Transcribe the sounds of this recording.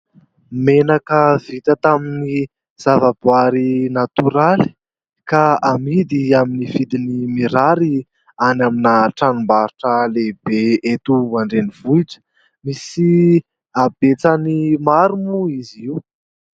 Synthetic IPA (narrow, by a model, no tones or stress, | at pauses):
menakəv̥it̪ət̪amini | z̥avabwaɾinat̪uɾali̥ | kaamid̪iaminivid̪inimiɾaɾi | anaminaʈ͡ʂanumbaɾuʈ͡ʂəleb̥eet̪uaɳɖ͡ʐeniv̥uiʈ͡ʂə̥ | misi | abet͡sanimaɾumuiziwu